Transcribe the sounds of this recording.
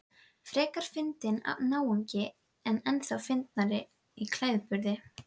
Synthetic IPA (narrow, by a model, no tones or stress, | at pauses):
fɾɛːkaɾ̥fɪnt̪ɪna̰vnaːwuɲcɪ | ɛnɛnθawfɪnt̪̚naɾɪ | ikʰlaːjðpʏɾðɪ